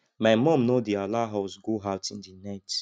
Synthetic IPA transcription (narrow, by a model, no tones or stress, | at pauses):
maɪmɔ̃mnodialaɦaʊsɡoaʊtĩndinaɪt